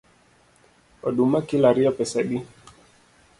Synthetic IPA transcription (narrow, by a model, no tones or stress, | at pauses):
ɔɗumakilaɾiɔpɛsɛɗi